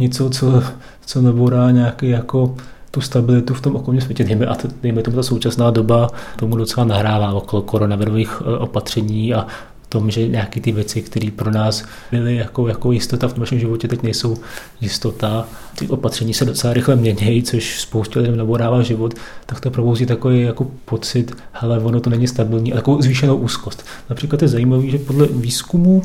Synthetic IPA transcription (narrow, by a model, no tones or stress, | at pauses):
ɲɛt͡so̞t͡so̞ | t͡so̞naboɾaːɲaːkiːjako̞ | t̪ust̪abɪlɪt̪uft̪o̞mʔoko̞lɲiːms̬vjɛcɛdɛjmɛʔat̪dɛjmɛt̪o̞mut̪aso̞wt͡ʃasnaːdo̞bat̪omudo̞t͡sɛlanaɦɾaːvaːʔoko̞loko̞ɾo̞navɪɾoviːxʔo̞pat̪r̝̥ɛɲiːa | t̪o̞mʒɛɲaːkiːt̪ɪvjɛt͡sɪkt̪ɛɾiːpɾo̞naːs | bɪlɪjako̞jakojɪst̪ot̪aft̪omnaʃɛmʒɪvocɛt̪ɛcnɛjso̞w | jɪst̪o̞t̪a | cɛ̰xo̞pat̪r̥ɛɲiːsɛdot͡sɛlaɾɪxlɛmɲɛɲɛjt͡soʃspowscɛlɪdɛmnaboɾaːvaːʒɪvot̪ːakt̪opɾo̞bowziːt̪ako̞vejjako̞po̞t͡sɪt̪ | hɛlɛvo̞not̪o̞nɛɲɪst̪abɪlɲiːʔat̪akovzviːʃɛnowʔuːsko̞st̪ | napr̥iːklat̪jɛzajiːmaviːʒɛpodlɛviːskumu